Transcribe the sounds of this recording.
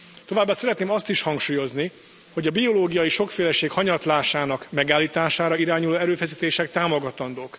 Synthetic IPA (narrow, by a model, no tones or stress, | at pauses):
t̪o̞vaːbːaːsɛɾɛt̪neːmɒst̪iʃhɒŋkʃuːjo̞zni | hoɟɒbio̞loːɡijɒjiʃo̞kfeːlɛʃeːkhɒɲɒt̪laːʃaːnɒkmɛɡaːlːiːt̪aːʃaːɾɒiɾaːɲuloːɛɾøːfɛsiːt̪eːʃɛk̚t̪aːmo̞ɡɒt̪ɒnd̪oːk